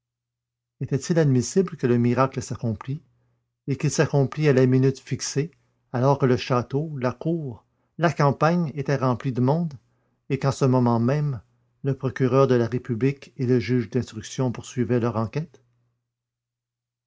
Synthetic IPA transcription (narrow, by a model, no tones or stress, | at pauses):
et̪ɛt̪ilad̪misɪbləkələmiʁakləsakɔ̃pli | ekilsakɔ̃plialaminyt̪fikse | alɔʁkələʃat̪olakuːʁ | lakɑ̃paɲet̪ɛʁɑ̃plid̪əmɔ̃d̪ | ekɑ̃səmɔmɑ̃mɛ̃m | ləpʁɔkʲyʁœːʁd̪əlaʁepyblikeləʒyːʒd̪ɛ̃st̪ʁyksjɔ̃puʁsɥivɛlœʁɑ̃kʲɛt̪